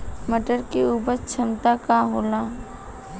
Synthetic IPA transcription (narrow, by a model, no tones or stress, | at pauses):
məʈəɾkeuːpəɾt͡ʃʰɐmt̪akaɦoːlaː